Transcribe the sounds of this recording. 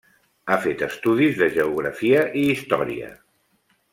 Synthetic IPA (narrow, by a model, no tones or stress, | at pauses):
afet̪əst̪uðizðəʒəuɣ̞ɾəfiəʔiːst̪ɔɾḭə̰